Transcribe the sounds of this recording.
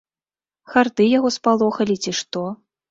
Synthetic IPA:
xard̪ɨjaɣɔspalˠɔxɐlʲit͡sʲiʂt̪ɔ

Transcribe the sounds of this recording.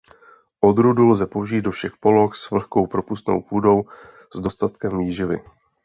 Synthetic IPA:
ʔo̞d̪ɾudulzɛpo̞wʒiːt̪̚do̞fʃɛxpo̞lo̞xsvl̩xko̞wpɾo̞pust̪no̰wpuːdo̞w | zdo̞st̪at̪kɛmviːʒɪvɪ̰

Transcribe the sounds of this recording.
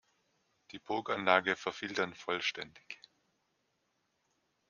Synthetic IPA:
d̥iːbʊːkanlaːɡəfɛɐfɪltɐnfɔlʃtɛndɪç

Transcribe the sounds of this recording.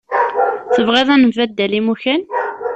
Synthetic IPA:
θəvʁiðˤænəmvæd̪ːælimuçæn

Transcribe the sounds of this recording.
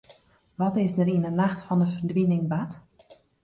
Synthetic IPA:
ʋɔtɪsdəɾinənaxtfɑndəfərdʋinɪŋbat

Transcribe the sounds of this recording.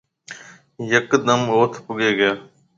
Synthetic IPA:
jəkd̪əmoːt̪ʰpʊɡeːɡɪjaː

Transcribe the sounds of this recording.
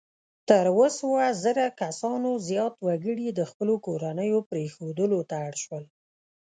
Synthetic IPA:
t̪əɾwəsəwazəɾakasɑnozjɑt̪waɡəɽid̪əxpəlokoɾanəjopɾexod̪əlot̪aaɽʃwəl

